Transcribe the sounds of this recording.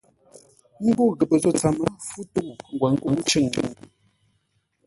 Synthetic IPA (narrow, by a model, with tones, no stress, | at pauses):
ŋ̩˦ɡu˦˨ɣə˨pə˨zɔ˨t͡sa˨mə˨fu˦tu˦ʔu˨ŋ̩˨ɡwa˨ŋ˦kə˨ŋ̩˦t͡ʃɨ˦˨ŋ˨ɲḭ˨ŋ˨